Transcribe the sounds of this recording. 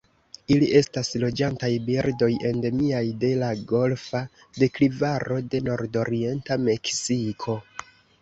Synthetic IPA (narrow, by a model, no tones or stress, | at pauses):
iliʔe̞staslo̞d͡ʒantajbiɾdo̞je̞nde̞miajde̞laɡo̞lfa | de̞klivaɾo̞de̞no̞ɾdo̞ɾie̞ntame̞ksikʰo̞